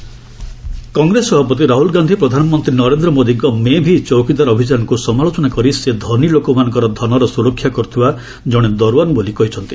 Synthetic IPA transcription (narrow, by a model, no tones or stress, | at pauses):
kɔŋɡɾesɔbʱapɔt̪̬iɾaɦulɡand̪ʱipɾɔd̪ʱanɔmɔnt̪ɾinɔɾend̪ɾɔmod̪iɡɔmebʱit͡ʃɔwkid̪aɾɔbʱid͡ʒanɔkusɔmaɭot͡ʃɔnakɔɾised̪ʱɔnilokɔmanɔ̃ŋkɔɾɔd̪ʱɔnɔɾɔsuɾɔkʰːjakɔɾut̪ʰiba | d͡ʒɔɽ̃ed̪ɔɾwanɔbolikɔɦit͡ʃʰɔnt̪i̥